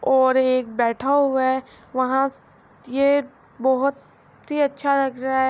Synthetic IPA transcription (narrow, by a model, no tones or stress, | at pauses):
ɔːɾeːk̚bɛːʈʰaɦua | ʋɐɦã | je | bɐɦʊt̪ | ɦiɐtːʃʰaɾɐɡɾaɦɛ